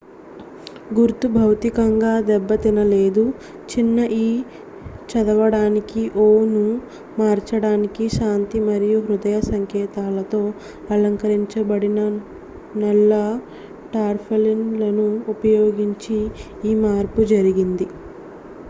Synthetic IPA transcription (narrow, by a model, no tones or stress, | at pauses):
ɡuɾt̪ubʱɐwt̪ikɐŋɡaːd̪ɛbːɐt̪inɐle̞ːd̪u | t͡ʃinːɐʔiː | t͡ʃɐd̪ɐʋɐɽaːnikiʔoːnu | maːɾt͡ʃɐɽaːnikiʃaːnt̪imɐɾijuɦɾud̪ɐjɐsɐŋkɛːt̪aːlɐt̪o̞ː | ɐlɐŋkɐɾiɲt͡ʃɐbɐɽinɐ | nɛlːɐ | ʈaːɾpʰelinlɐnuːpɐjoːɡiɲt͡ʃiː | maːɾpud͡ʒɐɾiɡind̪i